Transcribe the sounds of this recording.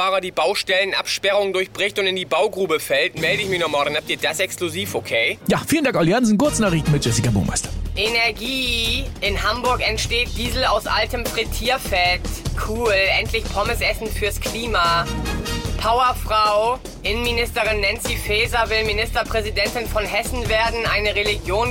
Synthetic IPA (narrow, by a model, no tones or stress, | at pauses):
aːʁɐdiːbaʊʃtɛlənʔa̰pʃpɛʁʊŋəndʊɐçb̥ʁɪçtʊntɪndiːbaʊɡʁuːbəfɛltmɛldəɪçmɪçnɔχmaːldanhap̚tiːɐd̥asʔɛkskluziːfokʰeːjafiːləndaŋkʔalianzn̩kʊɐt͡snaːʁiçn̩mɪt̚ʒɛs̬ikabṵːmʔa̰ɪstɐ̥ʔenɛɐɡiːʔɪnɦambʊɐkɛntʃteːt̚d̥iːzl̩a̰ʊsʔa̰ltəmfʁ̥itʰiːɐfɛtkʰuːlʔɛntʰlɪçpʰɔmɪsʔɛsn̩fyːɐskʰl̥iːma | pʰaʊɐfʁ̥aʊ | ʔɪnənminɪstəʁ̞ɪnːɛnt͡sifɛːzɐvɪlminɪstɐpʁ̥ɛzidɛntɪnfɔnhɛsn̩veːɐdn̩ʔa̰ɪnəʁeliɡjoːn